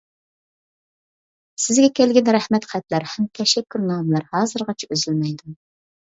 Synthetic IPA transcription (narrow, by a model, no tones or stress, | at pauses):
sɪzɡʲɛkʲɛlɡʲɪnɾɛhmɛt̪qʰæt̪læɾhɛmt̪ʰɛʃɛkʲːyɾnɑːmlˠɑɾhɑːzɨɾʁɑt͡ʃʰɛøzylmɛjd̪u